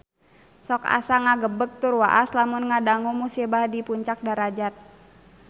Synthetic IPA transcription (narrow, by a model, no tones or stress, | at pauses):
sɔka̰saŋaɡəbək̚t̪urwaʔaslamʊnŋadaŋumusibahdipuɲt͡ʃak̚daɾad͡ʒat̪̚